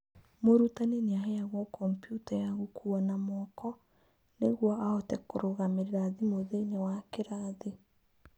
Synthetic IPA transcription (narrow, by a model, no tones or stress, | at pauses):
moɾutaneneaɦɛjaɣwɔkɔmpjutajaɣukʰuɔnamɔkɔ | neɣwɔʔaotɛkoɾoɣameɾeɾaðimoðeinewakeɾaðe